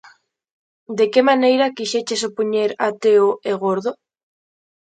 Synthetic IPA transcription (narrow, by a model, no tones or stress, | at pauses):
d̪ekemanejɾakiʃet͡ʃesopoɲeɾat̪eoeɣ̞oɾðo